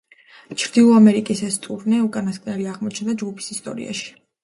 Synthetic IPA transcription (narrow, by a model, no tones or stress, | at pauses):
t͡ʃʰɾd̪ilˠɔamɛɾikʼisɛst̪ʼuɾnɛukʼanaskʼnɛliaʁmɔt͡ʃʰnd̪ad͡ʒɡupʰi̥sist̪ʼɔ̰ɾḭa̰ʃi̥